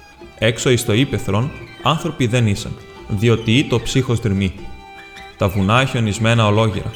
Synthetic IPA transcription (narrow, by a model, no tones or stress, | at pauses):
e̞kso̞ist̪o̞ipe̞θɾo̞nɐnθɾo̞piðe̞nisɐ̰n | ðio̞t̪iit̪o̞psixo̞zt̪ɾimi | t̪ɐvunɐeçeo̞nizme̞nɐo̞lo̞ʝḛɾɐ̰